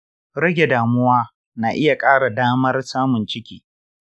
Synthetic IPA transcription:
ɽɐ˦ɡʲe˨daː˨mʊ˦waː˦ | naː˨ʔɪ˦ja˨kʼaː˦ɽa˨daː˦mɐ˦rsaː˦mʊ˨nt͡ʃɪ˦kʲiː˦

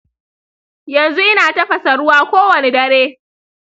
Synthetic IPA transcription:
jɐ˨nzu˦ʔɪ˦naː˨tɐ˦ɸɐ˨sɐ˨ɽʊ˦waː˦kʷoː˦wɐ˨ne˦dɐ˦ɾeː˦

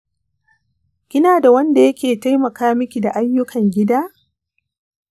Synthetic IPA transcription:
kʲɪ˦naː˨da˨wɐ˦nda˨jɐ˦kʲeː˨ta˦jmɐ˨kaː˦mɪ˦kʲi˨da˨ʔa˦jːʊ˦kʰɐ˨ŋɡʲɪ˦daː˦

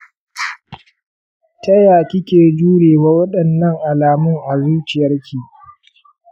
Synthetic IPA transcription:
tɐ˦jaː˨kʲɪ˦kʲeː˨d͡ʒuː˦ɽeː˨waː˦wɐ˦ɗɐ˨nːɐ˦ŋʔa˨laː˨mʊ˦ŋʔa˨zu˦t͡ʃɪ˨jɐ˦rkʲʰiː˨

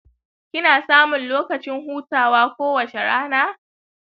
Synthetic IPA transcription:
kʲɪ˦naː˨saː˦mʊ˨nloː˦kɐ˨t͡ʃɪ˦ŋɦuː˦taː˨waː˦kʷoː˦wɐ˨t͡ʃe˨ɽaː˦naː˦˨

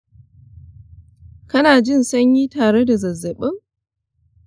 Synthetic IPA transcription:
kɐ˦naː˨d͡ʒɪ˦˨nsɐ˦ɲjiː˦taː˨ɽe˦da˨zɐ˨zːɐ˨ɓɪ˦ŋ

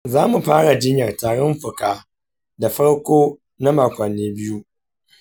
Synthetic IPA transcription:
zaː˦mu˨ɸaː˦ɽa˨d͡ʒɪ˦ɲjɐ˨rtaː˨ɽɔ˦mɸʊ˨kaː˦ | da˨ɸɐ˦ɽkʷoː˦ | na˦maː˨kʷɐ˨nːeː˦bɪ˦ju˦

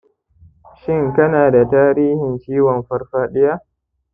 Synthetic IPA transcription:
ʃɪ˦ŋkɐ˦naː˨da˨taː˦ɾiː˦hɪ˨nt͡ʃiː˦wɔ˨mɸɐ˦rɸaː˦ɗɪ˦ja˦ʔ

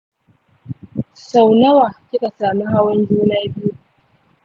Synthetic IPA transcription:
sa˨wnɐ˦waː˨kʲɪ˦ka˨saː˨mi˦ɦa˦wɐ˦nd͡ʒuː˦naː˦bɪ˦ju˦

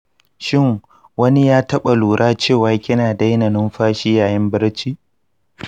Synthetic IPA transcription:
ʃɪ˦˨ŋ | wɐ˦ni˦jaː˦tɐ˦ɓa˨luː˨ɾʔaː˦t͡ʃeː˦˨waː˦kʲɪ˦naː˨da˦jnɐ˨nɪ˦mɸaː˦ʃi˦jaː˨jɪ˦mbɪ˦ɽt͡ʃiː˦

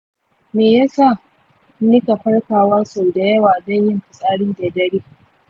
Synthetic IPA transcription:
meː˨ja˦sa˦˨˦ | nɪ˦ka˨ɸɐ˦ɽɸaː˨waː˦so˨da˨jɐ˦waː˨dɐ˦ɲjɪ˦mɸɪ˨sʼaː˦ɽɪ˦ndɐ˨dɐ˦ɽiː˦

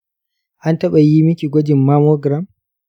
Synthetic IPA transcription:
ʔa˦ntɐ˦ɓa˨ji˦mɪ˦kʲi˨ɡʷɔ˦d͡ʒɪ˨mːaː˦moː˦ɡɾa˦m

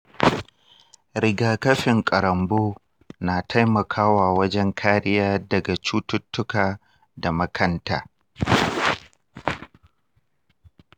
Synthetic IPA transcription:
ɾɪ˨ɡaː˨kɐ˦ɸɪ˨ŋkʼɐ˨ɾɐ˨mboː˦ | naː˨tʰa˦jmɐ˨kʰaː˦waː˨wɐ˦d͡ʒɛ˦ŋkʰaː˦ɾɪ˦jaː˦dɐ˨ɡa˨t͡ʃuː˦tʊ˦tːʊ˦kaː˨ | da˨mɐ˦kʰɐ˦ntaː˨

